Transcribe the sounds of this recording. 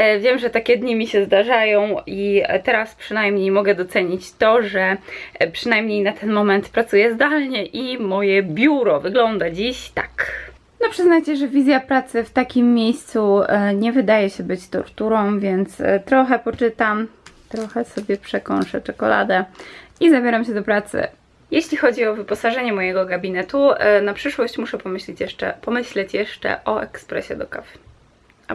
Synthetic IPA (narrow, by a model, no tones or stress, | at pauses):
vʲjɛmʐɛt̪akʲɛd̪ɲimʲiɕɛzd̪aʐajɔ̃w̃it̪ɛɾaspʂɨnajmɲejmɔɡɛd̪ɔt̪sɛɲit͡ɕt̪ɔʐɛpʂɘnajmɲejnat̪ʰɛnmɔmɛnt̪pɾat̪sujɛzd̪alɲɛʔimɔjɛbʲjuɾɔvɘɡlɔnd̪ad͡ʑiɕt̪ḁk | nɔpʂɘznajt͡ɕɛʐɛvʲizʲjapɾat̪sɘft̪akʲimːjejst̪suɲɛvɘd̪ajɛɕɛbɘt͡ɕt̪ɔ̰ɾt̪uɾɔ̃w̃vʲjɛnt̪st̪ɾɔxɛpɔt͡ʂɘt̪amt̪ɾɔxɛsɔbʲjɛpʂɛkɔnʂɛt͡ʂɔkɔla̰d̪ɛizabʲjeɾamɕɛd̪ɔpɾat̪sɘ̰ | jeɕlʲixɔd͡ʑiɔvɘpɔsaʐɛɲɛmɔjɛɡɔɡabʲinɛt̪unapʂɘʂwɔɕt͡ɕmuʂɛpɔmɘɕlʲit͡ɕjɛʂɛ̰pɔmɘɕlɛt͡ɕjɛʂt͡ʂɛ̰ʔɔʔɛkspɾɛ̰ɕɛd̪ɔka̰f